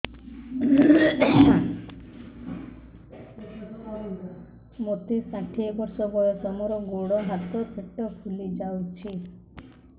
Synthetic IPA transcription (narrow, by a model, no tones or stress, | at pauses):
mot̪isãʈʰiɔbɔɾsɔbɔjɔsɔmɔɾɔɡoɽɔɦat̪ɔt̪ʰeʈːɔkʰulid͡ʒawt͡ʃʰi